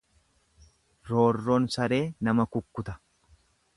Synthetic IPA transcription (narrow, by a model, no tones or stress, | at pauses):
ɾoːrːɔnsɐɾe̞ːnɐmɐkʊkːʊt̪ɐ̥